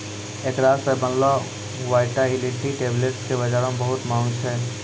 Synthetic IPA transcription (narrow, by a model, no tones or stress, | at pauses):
eːkɾaːebənla | ʋaːɪʈailɪʈːiʈeːbleʈskebɐd͡ʒaːɾõmbəɦʊt̪mãːŋɡt͡ʃʰɛː